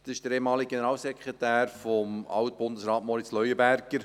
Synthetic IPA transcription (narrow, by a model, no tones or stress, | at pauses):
d̥ɑsɪʃd̥əɾeːmɑːliɡ̥enəɾɑːlsɛkʁetæːɾfɔmɑ̰wt̚b̥ʊndəsɾɑːtmɔɾɪt͡slœjəbæɾɡ̥əɾ